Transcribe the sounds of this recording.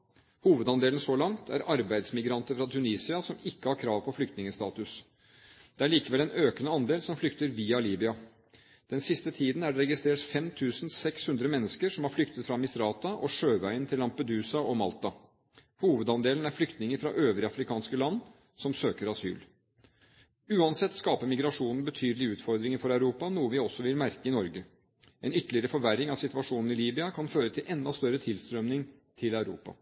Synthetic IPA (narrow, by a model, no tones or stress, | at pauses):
huːʋəd̪ɑnd̪eːlən̩sɔlɑŋt̪ʰæ̰ɾɑɾbæɪd̪smɪɡɾɑnt̪əɾfɾɑt̪ʰʉniːsɪɑsɔmɪkːəhɑɾkʰɾɑːʋpʰɔflʏkt̪nɪŋəst̪ɑːt̪ʉs | d̪̥ɛæɭiːkəʋɛlɛnøːkənəɑnd̪eːlsɔmflʏkt̪əɾʋiːɑliːbɪɑ | d̪̥ɛnsɪst̪ət̪ʰiːd̪n̩æɖɛɾɛɡɪst̪ɾeːʈfɛmt̪ʰʉːsn̩sɛkshʉnd̪ɾəmɛnːəskəɾʂɔmhɑɾflʏkt̪ət̪fɾɑmɪsɾɑːt̪ɑʔɔʂøːʋæɪənt̪ʰɪlːɑmpəd̪ʉːsɑɔmɑ̰lt̪ɑ | huːʋəd̪ɑnd̪eːlən̩æɾflʏkt̪nɪŋəɾfɾɑ̰ʔøːʋɾəɑfɾɪkʰɑːnskəlɑnː | sɔmsøːkəɾɑsy̰ːl | ʉːɑnsɛt̪ːskɑːpəmɪɡɾɑʂuːnn̩bət̪ʰyːd̪lɪʉːt̪fɔɾd̪ɾɪŋəfɔɾæʉɾuːpɑnuːəʋɪɔsːɔʋɪlmæɾkəɪnɔɾɡə | ɛnʏt̪ːəlɪəɾəfɔɾʋæɾːɪŋɑʋsɪt̪ʋɑʂuːnn̩ɪliːbɪɑkʰɑnføːɾət̪ʰɪlʔɛnd̪ɑst̪œɾːət̪ʰɪlst̪ɾœmnɪŋ | t̪ʰɪlæʉɾṵːpɑ̰